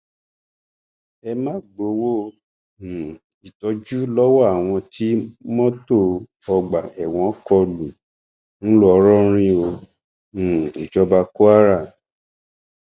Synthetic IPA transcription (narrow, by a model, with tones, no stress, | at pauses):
ɛ˧mãː˦ɡ͡bo˨˧˦wõ˦˨ | i˨tɔ˨˦d͡ʒu˦lɔ˦wɔ˦˨a˨w̃ɔ̃˧ti˨˦mɔ̃˦to˦˨ | ɔ˧ɡ͡ba˨ɛ˨w̃ɔ̃˧˦kɔ˧lu˨ | ñ̩˦lɔ˦ɔ˧˦ɾɔ˦ɾ̃ĩ˦o˧ | ũ˨i˨d͡ʒɔ˧˦ba˧ko˦a˦ɾa˦˨